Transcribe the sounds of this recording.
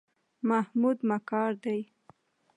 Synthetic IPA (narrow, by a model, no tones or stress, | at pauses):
mahmud̪makɑɾd̪aj